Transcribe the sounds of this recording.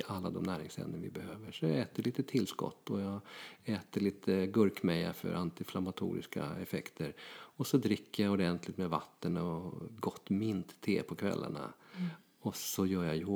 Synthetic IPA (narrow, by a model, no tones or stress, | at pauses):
ʔalːad̪ɔmnæːɾɪŋsɛ̰nd̪ənvɪbɛhøːvəʂɔjaɛːt̪əɭiːt̪ət̪ʰɪlːskɔ̰t̪ʰːɔjɑːɡɛːt̪əɭiːt̪ʰəɡɵɾkmɛja̰fœ̰ɾʔant̪ɪflamat̪ʰṵːɾɪ̰skaɛfɛkt̪ʰəɾɔsɔd̪ɾɪkːəjaɔd̪ɛnt̪lɪt̪mɛvat̪ːənɔɡɔt̪ːmɪnt̪ʰːeːpʰɔkʰvɛ̰lːa̰ɳa̰ | ɔsɔjœːjaj